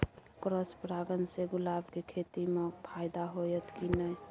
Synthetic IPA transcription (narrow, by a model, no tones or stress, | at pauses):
kɾəspɾaɡənseɡʊlabkekʰet̪imepʰajd̪aɦojət̪kinəj